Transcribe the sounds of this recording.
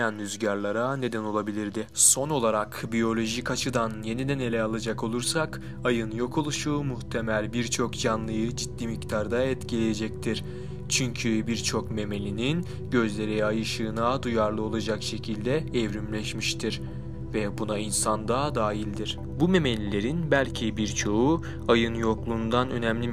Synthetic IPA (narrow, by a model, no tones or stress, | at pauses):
anɾyzɟaɾlˠaɾane̞d̪æno̞lˠabilʲiɾd̪ɪso̞no̞lˠaɾakbijo̞lʲo̞ʒikat͡ʃʰɯd̪anje̞nid̪æne̞lʲɛalˠad͡ʒako̞lˠuɾsak | ajɯnjo̞kʰo̞lˠuʃuːmuht̪ʰe̞mælʲbiɾt͡ʃʰo̞kd͡ʒanlˠɯjɯd͡ʒid̪ːimict̪ʰaɾd̪aɛt̪cʰilʲeje̞d͡ʒɛc̚t̪ʰiɾ̥ | t͡ʃʰyɲcʰybiɾt͡ʃʰo̞kme̞me̞lʲinin | ɟø̞zlʲe̞ɾiajɯʃɯːnaːd̪ujaɾlˠɯo̞lˠad͡ʒakʃe̞cʰilʲd̪ɛɛvɾymlʲɛʃmiʃt̪ʰiɾ | vɛbunainsand̪ad̪aːjilʲd̪iɾ̥ | bume̞me̞lʲilʲe̞ɾinbælʲcʰibiɾt͡ʃʰo̞u | ajɯnjo̞klˠuːnd̪anø̞̰næmlʲi